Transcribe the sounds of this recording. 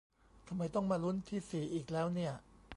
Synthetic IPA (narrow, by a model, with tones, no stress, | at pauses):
t̪ʰa˧mːa˧jt̪ɔ˥˩ŋmaː˧lu˦˥nt̪ʰiː˥˩siː˨˩ʔiː˨˩k̚lɛː˦˥wni˥˩ɐ